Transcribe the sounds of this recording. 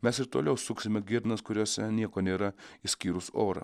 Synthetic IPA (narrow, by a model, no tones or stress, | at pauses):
mʲɛsɪɾt̪oːlʲɛʊsʊksʲɪmʲɛɡʲɪɾnɐskʊɾʲoːsʲɛnʲiɛkoːnʲeːɾɐisʲkʲiːɾʊsoːɾɐ̰